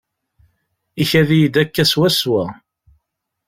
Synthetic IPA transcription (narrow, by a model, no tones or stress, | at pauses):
içæðijid̪ækːæswæswæ